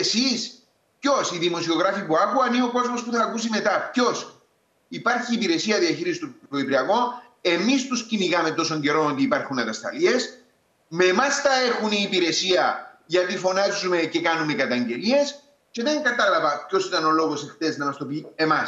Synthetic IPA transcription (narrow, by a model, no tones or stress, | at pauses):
sis | pço̞siðimo̞sio̞ɣɾɐfipuɐkuɐnio̞ko̞zmo̞spuθɐːkusime̞t̪ɐpço̞s | ipaɾçiːpiɾe̞siɐðiɐçiɾisi̥t̪uoipɾiɐko̞n | e̞mist̪usciniɣɐme̞t̪o̞so̞ɲɟe̞ɾo̞not̪iːpɐɾxunɐt̪ɐst̪ɐ̰lie̞s | me̞mɐst̪ɐe̞xuniːpiɾe̞siɐʝɐt̪ifo̞nɐzume̞ce̞kɐnume̞kɐt̪ɐɲɟe̞lie̞s | ce̞ðe̞ŋkɐt̪ɐlɐvɐpço̞sit̪ɐno̞lo̞ɣo̞sext̪e̞znɐmɐst̪o̞pie̞mɐs